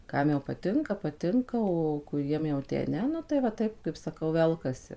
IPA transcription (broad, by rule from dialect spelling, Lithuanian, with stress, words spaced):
ˈkɐm jɛʊ pɐˈtʲɪŋkɐ pɐˈtʲɪŋkɐ oː kʊˈrʲiɛm jɛʊ tʲæː ˈnʲɛ ˈnʊ tɐɪ ʋɐ ˈtɐɪp kɐɪp sɐˈkɐʊ ˈʋʲɛlˠkɐsʲɪ